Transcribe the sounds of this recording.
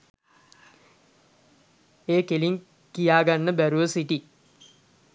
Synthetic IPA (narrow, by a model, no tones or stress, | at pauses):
eːkeliŋ | kijaːɡanːəbæɾuʋəsiʈi